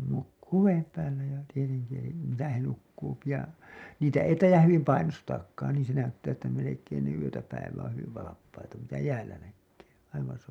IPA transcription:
nukːuː ʋeːm pæːlːæ jɑ tieteŋki elim misæ he nukːuːpi jɑ niːtæ ei tɑijˑɑh hyʋim pɑinostɑːkːɑːn niːn̞ se næytːæː etːæ melekˑeːn ne yøtæ pæiʋˑæ õː hyʋiʋ ʋɑlɑpːɑitɑ mitæ jæːlːæ nækːeː ɑiʋɑ̃ː s

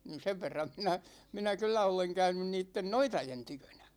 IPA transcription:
nin̞ seʋ ʋerːɑm minæ minæ kylːæ oleŋ kæynyn niːtːen noitɑjen tykønæ̥

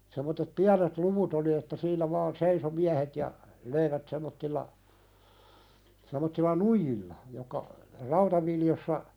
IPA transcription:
semˑotːet piænet luʋut oli etːæ siːnæ ʋɑːn seiso miæhet jɑ løiʋæt semˑotːilːɑ semˑotːilːɑ nuijilːɑ jokːɑ rɑutɑʋiljosːɑ

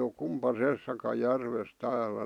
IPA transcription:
o kumpɑsesːɑkɑ jærʋes tæːlæ

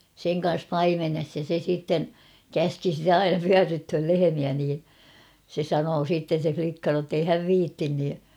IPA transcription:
seŋ kɑ̃ːs pɑimenes jɑ se siːtːen kæski sitæ ɑinɑ pyærːythøl lehemiæ niː se sɑnoː siːtːen̞ se flikːɑ notːei hæʋ ʋiːtːin ni

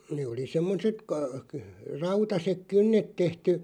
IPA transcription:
neː oli semːoset kɑ kə rɑutɑsek kynːet tehty

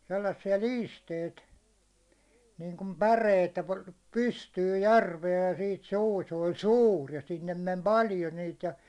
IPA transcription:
selːɑsːiɑ liːsteit niːŋkum pæreit ĕtːæ pɑ pystyːj jærʋeː jɑ siːt suː se olʲ suːr jɑ sinːem mem pɑljo niːt jɑ

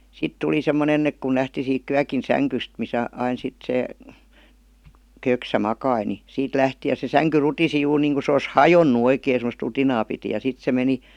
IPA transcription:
sit tuli semːonen ek kun læhti siːk kyækin sæŋkyst misæ ɑin sit se køksæ mɑkɑi ni siːt læhti jɑ se sæŋky rutisi juːr niːŋku se os hɑjonːu oikei semost rutinɑː piti jɑ sit se meni

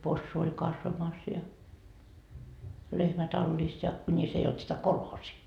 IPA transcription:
posːu olʲ kɑsʋɑmɑs jɑ lehmæ tɑlːis jɑ kunʲis ei olt sitæ kolhoːsiː

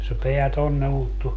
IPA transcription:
se peæ tonːe ultːu

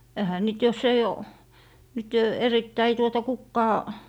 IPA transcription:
ehæ niːt jos ei o nyt eritːæi tuotɑ kukːɑː

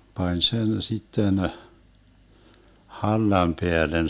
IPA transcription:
pɑnʲ sen sitːen hɑlːɑm peælen

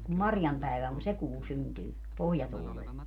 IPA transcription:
kum mɑrjɑm pæiʋæ on se kuː syntyː pohjɑtuːlel

